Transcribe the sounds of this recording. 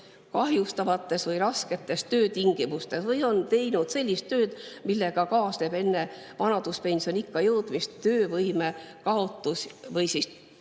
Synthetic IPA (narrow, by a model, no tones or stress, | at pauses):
kɑɦjust̪ɑvɑt̪ːˑe̞svɤjɾɑske̞t̪ːˑe̞st̪ø̞ːt̪iŋɡ̥imust̪e̞svɤjo̞nt̪e̞jnud̪̥se̞lʲːist̪ːø̞ːd̪̥milːe̞ɡ̥ɑkɑːsle̞be̞nːe̞vɑnɑd̪̥uspe̞nʲso̞nikːɑjɤwd̪̥mist̪t̪ø̞ːvɤjme̞kɑo̞t̪ːˑusvɤjsis